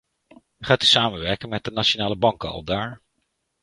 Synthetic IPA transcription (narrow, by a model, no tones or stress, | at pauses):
χaːtysaːmənʋɛɹkənmɛt̚dənat͡ʃonaːləbɑŋkəɑ̰lˠdaːɹ